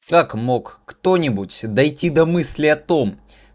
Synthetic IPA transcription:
kakmo̞kːt̪o̞nʲɪbʊtʲd̪ɐjtʲid̪ɐmɨsʲlʲɪɐt̪o̞m

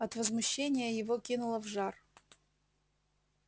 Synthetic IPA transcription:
ɐt̪vəzmʊɕːenʲɪjəjɪvokʲinʊlˠəvʐar

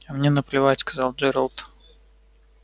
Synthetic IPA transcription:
ɐmnʲenəplʲɪvatʲskɐzɑlˠd͡ʒɛɾəlˠt̪

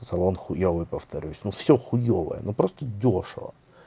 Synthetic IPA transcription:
sɐlˠonxʊjovɨpəft̪ʰɐɾʲʉsʲnufsʲoxʊjovə̰jə̰nopɾost̪ədʲoʂɨ̰və̰

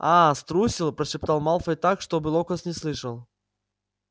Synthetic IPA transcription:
ast̪ɾusʲilˠpɾəɕɪpt̪alˠmalˠfəjt̪akʂt̪obɨlˠokəsnʲɪslˠɨʂəlˠ

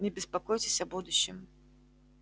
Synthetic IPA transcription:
nʲɛbʲɪspakɔjt͡sʲɪsʲɐbud̪uɕːɪm

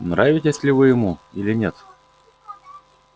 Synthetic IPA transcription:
nɾavʲɪtʲɪsʲlʲɪvɨjɪmuilʲɪnʲet̪

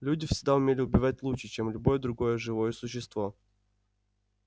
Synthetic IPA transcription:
lʲudʲɪfʲsʲɪɡ̚d̪aʊmʲelʲɪʊbʲɪvat̚ʲlˠut͡ɕʂɨt͡ɕemlʲʊbo̞jəd̪ɾʊɡo̞jəʐɨvo̞jəsʊɕːɪst̪vo̞

